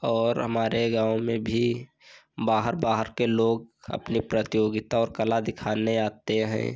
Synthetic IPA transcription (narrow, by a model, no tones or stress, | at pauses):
ɔːɾɦəmaːɾeɡãːomẽbʱi | baːɦəɾbaːɦəɾkeloːɡ̚ə̰pnipɾət̪ɪjoːɡɪt̪aɔːɾkəlad̪ɪkʰaːneaːt̪eɦɛ̰̃ː